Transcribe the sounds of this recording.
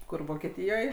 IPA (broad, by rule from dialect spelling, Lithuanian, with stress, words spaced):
ˈkʊr ʋoːkʲɛˈtʲiːjoːj